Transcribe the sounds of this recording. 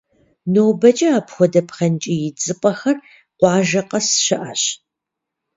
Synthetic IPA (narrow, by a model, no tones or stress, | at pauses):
nowbɐt͡ʃʼɐaːpxʷɔdɐpχɐnt͡ʃʼijɪd͡zʼɨpʷʼɐxɐr | qʷɑːʒɐqɐsɕɪʔɐɕ